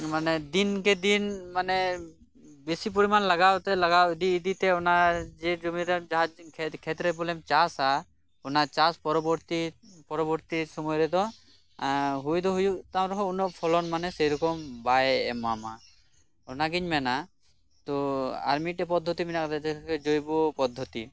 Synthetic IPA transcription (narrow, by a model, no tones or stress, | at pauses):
manɛd̪inkɛd̪inmanɛ | besip̬uɾimanlaɡawt̪ɛlaɡawid̪iːd̪it̪ɛɔnad͡ʒɛd͡ʒumiɾɛd͡ʒaɦad͡ʒʰkʰɛt̪ɾɛbulɛmt͡ʃasa | ɔnat͡ʃaspɔɾɔbɔɾt̪ipɔɾɔbɔɾt̪isɔmɔjɾɛd̪ɔ | ɦujd̪ɔɦujuʔt̪awɾɔɦɔunɔʔ̚pʰɔlɔnmanɛsɛjɾɔkɔmbajɛmama | ɔnaɡiɲmɛna | t̪ɔa̰ɾmiʈɛpɔd̪ʱːɔt̪iminakɾɛt̪ɛd͡ʒojbɔpɔd̪ʱːɔt̪i